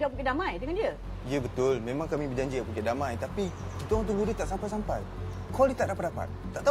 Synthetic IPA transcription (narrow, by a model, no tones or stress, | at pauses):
aʔpukeʔdamãjd̪əŋandiə | iəbət̪ʊlmẽmãŋkamĩbəd͡ʒaɲd͡ʒiapukeʔdamãjt̪api | kit̪oãŋt̪uŋɡudət̪aʔsampajsampaj | kalit̪aʔ̚dapat̪̚dapa̰t̪̚t̪ːaʔt̪a